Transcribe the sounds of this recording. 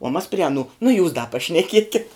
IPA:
uɔ mɐs pʲrʲɪ ɐˈnuː nʊ juːs dɐ pɐʃʲnʲɛˈkʲiɛkʲɪt

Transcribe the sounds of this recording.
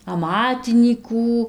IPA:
ɐˈmɑːtʲɪnʲiːkuː

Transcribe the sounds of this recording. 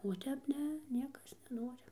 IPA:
oː ˈtʲɛp ˈnʲɛ ˈnʲiɛkɐs nʲɛˈnoːrʲɪ

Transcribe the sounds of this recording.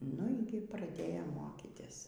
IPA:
ˈnʊ iː ˈɡʲɪ prɐˈdʲeːjoːm ˈmoːkʲiːtʲɪs

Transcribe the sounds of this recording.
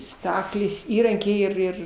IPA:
ˈstɑːklʲeːs ˈiːrɐŋʲkʲɛɪ ɪr ˈɪr

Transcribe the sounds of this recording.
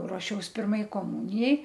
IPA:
ruɔˈʃʲɛʊs ˈpʲɪrmɐɪ koːˈmʊnʲɪjɛɪ

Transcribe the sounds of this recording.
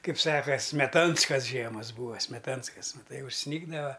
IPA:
ˈkɐɪp ˈsɑːkɐ sʲmʲɛˈtɐnskɐs ˈʒʲiɛmɐs ˈbuːɐ sʲmʲɛˈtɐnskɐs mɐˈtɐɪ ʊʃʲˈsʲnʲiːɡdɐʋɐ

